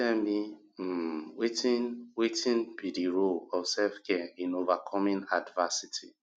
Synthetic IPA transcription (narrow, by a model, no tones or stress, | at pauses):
ɛmi | wetĩnwetĩnbidiɹoɔfsɛlfkɛĩnovakʰɔmĩnadvasitʰi